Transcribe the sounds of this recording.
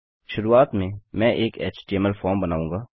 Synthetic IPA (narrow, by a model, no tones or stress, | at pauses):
ʃʊɾuːaːt̪mẽmɛ̃ːʔeːkḛːt͡ʃʈiɛmɛlfɔːɾmbɐnaːũːŋɡaː